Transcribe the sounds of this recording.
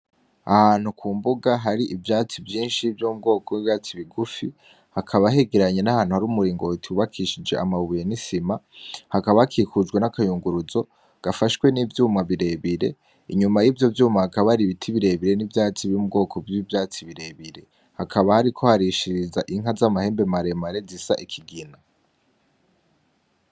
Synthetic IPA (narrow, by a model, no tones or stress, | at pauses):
ahan̥hukʰuːmbuɡaɦaɾiʔivjaːt͡sivjiːnʃivjoːmubɡo̞ːkoiβjaːt͡siβiɡufi | hakʰaβaɦe̞ɡe̞ɾaɲe̞nahaːn̥huhaɾuːmuɾiːŋɡo̞tʰiuβakʰiʃid͡ʒe̞amaβujenisimahakaβahakʰikud͡ʒɡwe̞nakajuːŋɡuɾuzo̞ | ɡ̥afaʃwe̞nivjuːmaβiɾe̞βiɾe̞ | iɲumajiːvjo̞vjuːmahakaβaɾiβitʰiβiɾe̞βiɾe̞nivjaːt͡siβiumub̚ɡo̞ːkʰo̞vivjaːt͡siβiɾe̞βiɾe̞ | hakʰaβahaɾikʰo̞haɾiʃiɾizaʔiŋ̥ɦazamahe̞ːmbemaɾe̞maɾe̞zisaʔikʰiɡina